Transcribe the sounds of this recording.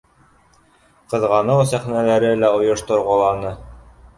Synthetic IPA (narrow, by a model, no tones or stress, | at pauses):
qɤ̆ðʁɑnɤwsæχnælæɾɘlæŏjŏʃt̪ŏɾʁɑlˠɑnɤ